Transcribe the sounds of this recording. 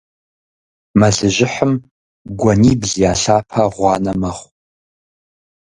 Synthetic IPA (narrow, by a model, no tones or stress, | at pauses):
mɐɮɨʒʷɪħəm | ɡʷɐniːbzijaːɬaːpʰaʁʷɑːnɐmɐχʷ